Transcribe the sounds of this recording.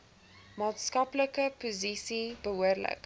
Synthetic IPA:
mɑːtskɐpləkəpozisibəɦuərlə̰k

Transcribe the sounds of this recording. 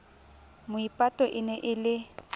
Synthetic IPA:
mʊipʼatʼɔʔɪnɛʔɪlɪ

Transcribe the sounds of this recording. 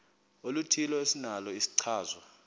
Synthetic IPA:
olutʰilɔesinalɔisi̥ǀʰaːzɔ

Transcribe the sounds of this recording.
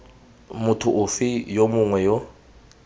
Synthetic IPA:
mutʰʊʔufijomuŋwɛjɔ

